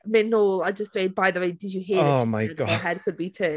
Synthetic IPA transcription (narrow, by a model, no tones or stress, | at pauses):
mɪ̃nːoːlˠaɪd͡ʒʌstseɪd̚baɪðəweɪdɨd͡ʒəɦiəomaɪɡɑɦɛd̚kʰəd̚bitʰə